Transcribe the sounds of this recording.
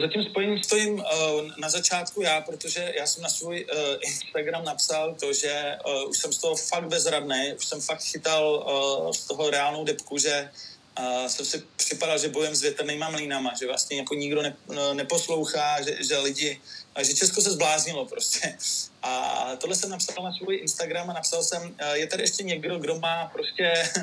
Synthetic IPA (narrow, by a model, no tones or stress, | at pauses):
zacɪmspo̞jɛɲmst̪o̞jɪmnazat͡ʃaːt̪kujaːpɾot̪o̞ʒɛjaːsɛmnasvujʔɪnst̪aɡɾamnapsalt̪o̞ʒɛʔuʃsɛmst̪oɦofaɡ̚t̪bɛzɾadnɛjʔuʃsɛmfak̚t̪xɪt̪alst̪o̞ɦo̞ɾɛaːlnowdɛpkuʒɛ | sɛmsɪpr̝̥ɪpadalʒɛbo̞jɛmzvjɛt̪rnimamliːnamaʒɛvla̰stɲɛjako̞ɲɪɡdo̞nɛnɛpo̞slo̞wxaːʒɛʒɛlɪɟɪʒɛt͡ʃɛskosɛzblaːzɲɪlo̞pɾoscɛʔa̰t̪o̞dlɛsɛmnapsalnasvojʔɪnst̪aɡɾamanapsalsɛmjɛt̪adɪʔɛʃcɛɲɛɡdo̞ɡdo̞maːpɾoscɛ